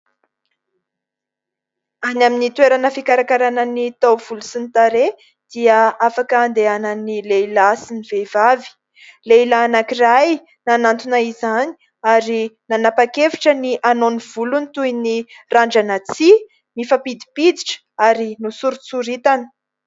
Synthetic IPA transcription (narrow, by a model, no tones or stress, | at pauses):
anaminit̪weɾanəfikaɾakaɾanənit̪awv̥ulusint̪aɾe | d̪̥iəafakəːnd̪eanənileilasiniv̥evavi̥ | leilaːnakiraj | nanant̪unaizani̥ | aɾinanapakefi̥ʈ͡ʂəniʔanoniv̥ulunit̪ujniraɳɖ͡ʐanat͡si | mifapid̪i̥pid̪iʈ͡ʂə̥ | aɾinusuɾut͡suɾit̪anə̥